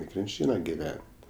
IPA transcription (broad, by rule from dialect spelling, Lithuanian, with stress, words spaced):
ɪ krʲɪnʲˈt͡ʃʲiːnɐ ɡʲɪˈʋʲɛnʲtʲ